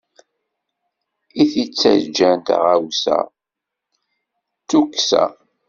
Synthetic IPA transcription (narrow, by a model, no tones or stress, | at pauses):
iθit͡sːæ̰d͡ʒænt̪ʁawsæ̰ | t͡sːukːsæ̰